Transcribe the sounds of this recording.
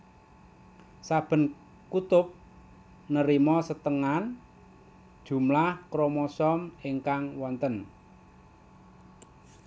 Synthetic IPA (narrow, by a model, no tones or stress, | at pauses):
sab̥ə̤n | kut̪ʊp̚ | nəɾimɔsət̪əŋan | d̥ʒ̥ṳmlahkɾomɔsɔmeŋkaŋwɔnt̪ən